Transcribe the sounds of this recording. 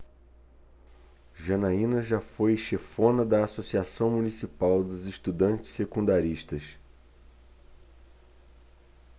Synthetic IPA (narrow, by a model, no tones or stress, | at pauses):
ʒɐnaĩnɐʒafojʃefõnɐd̪ɐːsosiasɐ̃w̃munisipawd̪ʊzɪʃt̪ud̪ɐ̃nt͡ʃɪ̥ssekũnd̪aɾiʃt̪ɐs